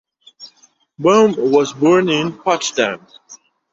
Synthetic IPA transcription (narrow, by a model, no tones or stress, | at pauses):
bõmwʌzbɔɹnɪ̃npʰɑt͡ʃtæ̰̃n